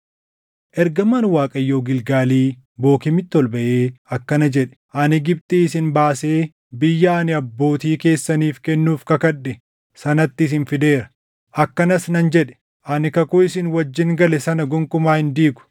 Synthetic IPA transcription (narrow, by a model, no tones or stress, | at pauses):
ʔɛɾɡɐmɐːnwaːkʼɐjːo̞ːɡɪlɡaːliː | bo̞ːkɪmɪt̪ːɪɔlbɐʔeːɐkːɐnɐd͡ʒɛᶑɛ̥ʔɐnɪɡɪb̚t̪ʼiːɪsɪnbaːse̞ː | bɪjːɐːnɪɐbːo̞ːt̪iːke̞ːsːɐniːfkɛnːuːfkɐkɐᶑːɛ | sɐnɐt̪ːɪs̬ɪnfɪd̪e̞ːɾɐ̥ | ʔɐkːɐnɐsnɐnd͡ʒɛᶑɛ̥ | ʔɐnɪkɐkʊɪsɪnwɐd͡ʒːɪŋɡɐlɛsɐnɐɡʊŋkʊmaːhɪnd̪iːɡʊ̥